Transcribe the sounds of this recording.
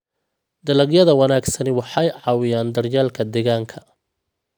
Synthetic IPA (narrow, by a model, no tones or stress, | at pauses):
d̪ɐlɐɡjɐðɐwɐnaːɡsɐnɪwɑħɑjʕɑːwɪjaːnd̪ɐrjaːlkʰɐd̪ɛːɣaːŋkʰɐ